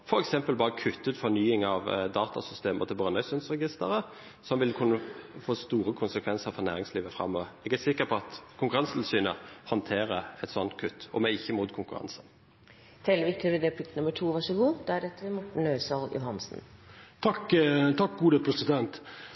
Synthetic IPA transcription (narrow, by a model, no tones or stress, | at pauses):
fɔɾɛksɛmpəlbɑːʁəkʰʉt̪ːʉːt̪fɔnyːɪŋɑʋd̪ɑːt̪ɑ̰sʏst̪eːmə̰ʁt̪ʰɪlbʁœːnœʏsʉnsʁɛɡɪst̪əɾə | sɔmʋɪlkʰʉnːəfoːst̪uːɾəkʰʊnsəkʰʋɛnsəɾfɔɾnæːɾɪŋsliːʋəfɾɑ̰mːoʋɛɡæsɪkːəʁpʰɔɑt̪kʰʊŋkʉʁɑnst̪ʰɪlsyːnəhɔnt̪ʰeːɾəɛt̪sɔnt̪̚kʰʉt̪ːɔ̰mɛɪçːəmuːt̪kʰʊŋkʉʁɑ̰nsən | t̪ʰɛləʋɪkt̪ʰəɾɪd̪eːp̪ʰɪkt̪nʊmːəʈʰuːʋɑʂɔɡuːd̪̥ɛæɖɛt̪ːəʋɪmʊʈɳ̩œʏsɑljʊ̰ɦɑnsn̩t̪ʰɑkt̪ʰɑk̚ɡuːd̪əpʰɾɛsɪd̪ɛnt̪